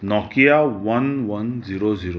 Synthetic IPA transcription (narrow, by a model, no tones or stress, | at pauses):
nɔkijaʋɐnʋɐnziɾoziɾo